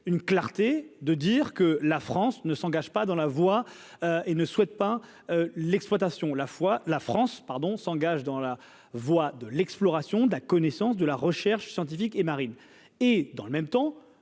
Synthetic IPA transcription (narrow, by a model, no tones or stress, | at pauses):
ynklaʁt̪ed̪əd̪iʁkəlafχɑ̃snəsɑ̃ɡaʒpad̪ɑ̃lavwa | øenəswɛt̪̚pa | ølɛksplwat̪asjɔ̃lafwalafχɑ̃spaʁd̪ɔ̃sɑ̃ɡaʒd̪ɑ̃la | vwad̪əlɛksplɔʁasjɔ̃d̪əlakɔnɛsɑ̃s̬d̪əlaʁəʃɛʁʃsjɑ̃t̪ifikemaʁin | ed̪ɑ̃ləmɛmt̪ɑ̃